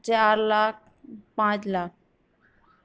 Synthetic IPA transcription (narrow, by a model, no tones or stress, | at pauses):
t͡ʃaːɾlaːk̚ | pãːt͡ʃlaːk̚